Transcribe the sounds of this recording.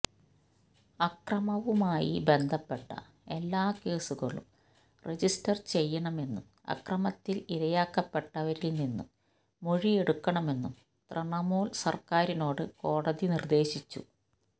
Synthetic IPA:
ɐkrɐmɐʋumaːjḭbe̞nd̪ʱɐpːe̞ʈːɐ̰ | e̞lːaːke̞ːsuɣɐ̰ɭṵm | re̞d͡ʑistɐrt͡ɕe̞jːɐɳɐme̞nːum | ɐ̰krɐmɐt̪ːiliɾɐjaːkːɐpːe̞ʈːɐʋɐɾilninːumː | oɻie̞ɽukːɐɳɐme̞nːum | t̪rɐɳɐmoːlsɐrkaːɾino̞ːɽɨko̞ːɽɐðinird̪e̞ːɕit͡ɕːṵ

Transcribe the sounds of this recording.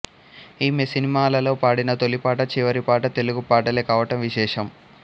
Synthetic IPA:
iːmesinimaːlɐlo̞ːpaːɽinɐt̪o̞lːipaːʈɐt͡ʃiʋɐɾipaːʈɐt̪e̞luɡupaːʈɐleːkaːʋɐʈɐmʋiʃɛːʂɐm

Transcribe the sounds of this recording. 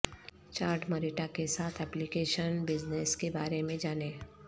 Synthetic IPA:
t͡ʃaːɾʈməɾiːʈakesaːt̪ʰɛːplikeːʃənbɪd͡ʒneskebaːɾemẽd͡ʒaːneː

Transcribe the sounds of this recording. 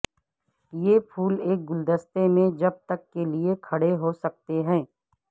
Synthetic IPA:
jeːpʰuːleːk̚ɡʊld̪əst̪emẽd͡ʒɐb̚t̪əkːeliekʰɐɽeɦosɐk̚t̪eɦɛ̃ː

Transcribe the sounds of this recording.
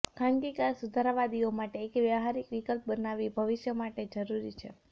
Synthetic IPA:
kʰãŋɡikaɾsud̪ʱaɾaʋad̪iomaʈeːkʋjəʋɦaɾikʋikəlp̚bənaʋibʱəʋɪʃjəmaʈed͡ʒəɾuɾit͡ʃʰḛ

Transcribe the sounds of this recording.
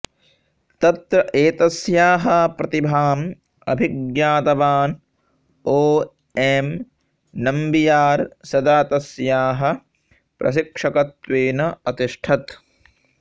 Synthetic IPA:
t̪ɐt̪ɾɐʔeːt̪ɐsjaːɦɐpɾɐt̪ibʱaːm | ɐ̰bʱiɡjaːt̪ɐbaːn | oː | em | nɐmbijaːɾsɐd̪aːt̪ɐsjaːɦɐ | pɾɐ̰ʃ̬ikʂɐkɐt̪ʋeːnɐɐt̪iʂʈʰɐt̪

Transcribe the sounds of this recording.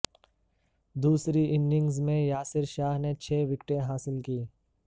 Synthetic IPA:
d̪uːsɾiʔɪ̃nɖɪ̃ŋɡzmẽjaːsɪɾʃaːɦnet͡ʃʰeːʋɪkʈẽɦaːsɪlkiː

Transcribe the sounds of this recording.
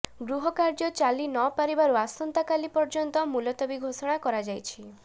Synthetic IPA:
ɡɾuɦɔkaɾd͡ʒɔt͡ʃalinɔpaɾibaɾuasɔnt̪akalipɔɾd͡ʒɔnt̪ɔmulɔt̪ɔbiɡʱosɔɽ̃akɔɾad͡ʒajt͡ʃʰi

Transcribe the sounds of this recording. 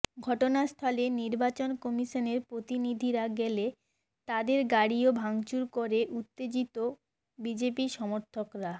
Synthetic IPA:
ɡʱɔʈonast̪ʰaleniɾbat͡ɕonkɔmiʃoneɾpɾot̪inid̪ʱiɾaɡɛle | t̪ad̪eɾɡaɽiobʱaŋt͡ɕuɾkoɾeʔut̪ːed͡ʑit̪o | bid͡ʑepiʃɔmoɾt̪ʰokɾa

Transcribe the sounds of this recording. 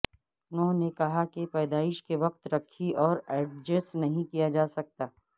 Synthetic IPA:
nõnekɐɦakepɛːd̪aːɪʃkeʋɐq̚t̪ɾɐkʰːiʔɔːɾɛːɖ̚d͡ʒəsnɐɦĩkijad͡ʒaːsɐk̚t̪aː

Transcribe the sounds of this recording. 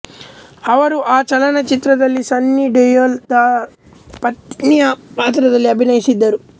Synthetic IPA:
ɐʋɐɾuʔaːt͡ʃɐlɐnɐt͡ʃit̪ɾɐd̪ɐlːisɐnːiɖejold̪ɐ | pɐt̪nijɐpaːt̪ɾɐd̪ɐlːiɐbʱinɐjisid̪ːɐɾu

